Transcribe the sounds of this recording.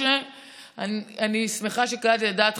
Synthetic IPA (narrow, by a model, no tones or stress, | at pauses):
e | ananismeχaʃekaʁat̪jadaːt̪